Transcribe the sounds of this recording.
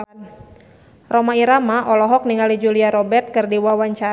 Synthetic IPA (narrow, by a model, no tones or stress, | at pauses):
rɔmaiɾamaʔɔlɔɦɔk̚niŋalid͡ʒuliaɾɔbɛrt̪̚kɨrdiwawaɲt͡ʃa